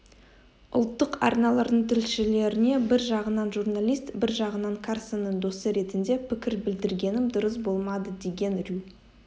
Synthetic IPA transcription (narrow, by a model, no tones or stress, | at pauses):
ʊ̰lˠt̪ːəqɑ̰ɾnɑlˠɑɾd̪əɴt̪ʰʏlʃɪle̞ɾɪne̞bɪɾʒɑʁənɑnʒurnalʲˠijst̪bɪɾʒɑʁənɑɴkʰarsənːəɴd̪o̞səɾe̞t̪ɪnd̪e̞pʰɪkʲɪɾbɪld̪ɪɾɡʲe̞nɪmd̪ʊɾəs̬bo̞lˠmɑd̪əd̪e̞ɡʲe̞nrʲy